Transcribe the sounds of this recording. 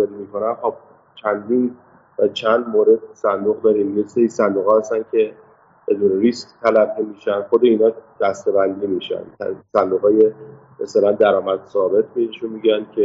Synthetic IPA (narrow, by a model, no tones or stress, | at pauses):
ɒd̪imikʰo̞næmhɒb̚ | t͡ʃʰænd̪in | væt͡ʃʰænd̪moːɾe̞d̪̚sænd̪uɣd̪ɒːɾiːmjeseisænd̪uːɣɒːhæst̪ænkʰe̞ | b̥e̞d̪uːneɾiskt̪ʰælæbːimiːʃænxod̪e̞inɒːd̪̥æst̪e̞bænd̪iːmiʃæ̰nʰsænd̪uːɣɒːje | meselænd̪æɾɒːmæd̪sɒːbe̞t̪̚ʰbeiʃunmiːɟænd̪cʲʰe